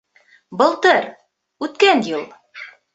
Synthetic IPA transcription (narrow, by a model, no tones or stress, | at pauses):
bɤ̆lˠt̪ɤɾ | ʉt̪kænjulˠ